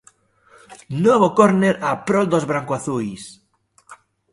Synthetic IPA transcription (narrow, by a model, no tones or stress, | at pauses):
noβokoɾneɾapɾɔld̪ozβɾaŋkwaθujs